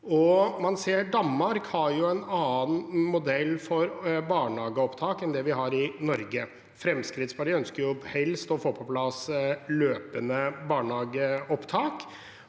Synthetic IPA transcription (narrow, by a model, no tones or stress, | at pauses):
ɔmɑnseːɖɑnmɑɾkhɑɾjʊɛnɑːnmʊd̪ɛlːfɔɾbɑːɳhɑːɡəɔpt̪ʰɑːkɛnd̪ɛʋɪɦɑɾɪnɔɾɡə | fɾɛmskɾɪt̪spɑɖɪœnskəɾjʊhɛlst̪ɔfoːpʰɔplɑsløːpənəbɑːɳhɑːɡəɔpt̪ʰɑːk